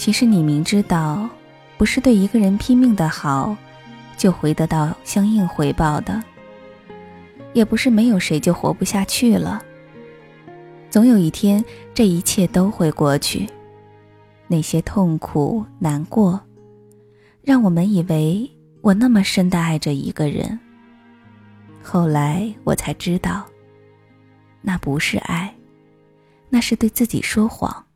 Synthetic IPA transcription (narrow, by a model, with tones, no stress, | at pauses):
t͡ɕʰi˧˥ʂɻ̩˧˥ni˨˩mi˧˥ŋʈ͡ʂɻ̩˥t̪ɑ˥˩ʊ | pu˧˥ʂɻ̩˥˧t̪we˥˩ɪi˧˥ɡə˧ɻə˧˥npʰi˥ŋmi˥˩ŋd̪ə˩xɑ˨˩˦ʊ | t͡ɕjo˥˩ʊxwe˧˥ɪt̪ɤ˧˥t̪ɑ˥˩ʊɕjɑ˥ŋi˥˩ŋxwe˧˥ɪpɑ˥˩ʊd̪ə˩ | jɛ˨˩pu˧˥ʂɻ̩˥˩me˧˥ɪjo˨˩ʊʂe˧˥ɪt͡ɕjo˥˩ʊxwɔ̰˧˥pu˥˧ɕja˥˧t͡ɕʰy˥˩lə̰˩ | t͡sʊ˧˥ŋjo˨˩ʊi˥˩t̪ʰjɛ˥nʈ͡ʂɤ˥˩i˧˥t͡ɕʰjɛ˥˩t̪o˥ʊxwe˥˧ɪkwɔ˥˩t͡ɕʰy̰˥˩ | ne˥˩ɪɕjɛ˥t̪ʰʊ˥˩ŋkʰṵ˨˩na˧˥nkwɔ˥˩ | ɻɑ˥˩ŋwɔ˨˩mə˦ni˨˩we˧˥ɪ | wʔɔ˨˩na˥˩mə˩ʂə˥nd̪ə˨a˥˩ɪʈ͡ʂə˩ḭ˧˥ɡ̥ə˧ɻə̰˧˥n | xo˥˩ʊla˧˥ɪwɔ̰˨˩t͡sʰa˧˥ɪʈ͡ʂɻ̩˥t̪ɑ˥˩ʊ | na˥˩pu˧˥ʂɻ̩˥˧ʔa̰˥˩ɪ | na˥˧ʂɻ̩˥˧t̪we˥˧ɪt͡sɹ̩˥˩t͡ɕḭ˨˩ʂwɔ˥xwɑ̰˨˩˦ŋ